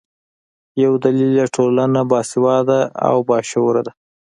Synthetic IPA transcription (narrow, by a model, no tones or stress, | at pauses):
jawd̪alilːaʈʰolanabɑsɪwɑd̪aa̰wbɑʃawɾad̪a